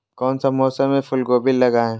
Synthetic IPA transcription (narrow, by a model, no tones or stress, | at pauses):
kɔːnsamɔːsəmẽfʰʊlɡoːbɪlːɐɡaːɛ̃